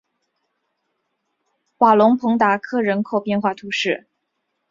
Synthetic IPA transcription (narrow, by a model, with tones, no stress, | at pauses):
xwa˨˩lʊ˧˥ŋpʰɤ˧˥ŋt̪a˧˥kʰɤ˥ɻə˧˥nkʰo˥˩ʊpjɛ˥˧nxwa˥˩t̪ʰu˧˥ʂɻ̩˥˩